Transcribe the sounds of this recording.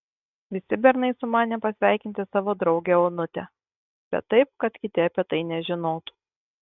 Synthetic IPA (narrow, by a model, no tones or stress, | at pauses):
ʋʲɪsʲɪbʲɛɾnɐɪsʊmɑːnʲɛpɐsʲʋʲæˑɪkʲɪnʲt̪ʲɪsɑːʋoːd̪ɾɒʊɡʲɛoːnʊt̪ʲɛ̰ | b̥ʲɛ̰t̪ːɐɪp̚kɐt̪kʲɪt̪ʲɪɐpʲiɛt̪ɐɪnʲɛʒʲɪnoːt̪u̥